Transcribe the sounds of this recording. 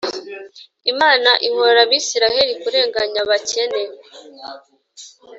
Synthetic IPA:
imaːnaʔihoɾaβiːsiɾahe̞ɾikuɾe̞ːŋɡaɲaβace̞neɾe

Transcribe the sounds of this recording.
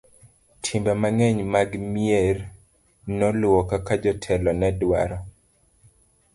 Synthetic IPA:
tʰimbamaŋɛɲmaɡmier | nɔlwɔkakad͡ʒɔtʰɛlɔnɛdwa̰ɾɔ

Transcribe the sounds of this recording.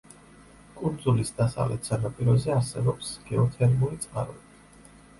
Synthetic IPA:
kʼund̪zulisd̪asa̰vlɛt̪ʰsanapʼiɾɔzɛaɾsɛbɔpsɡ̥ɛɔt̪ʰɛɾmulit̪sʼqʼa̰ɾɔ̰bi

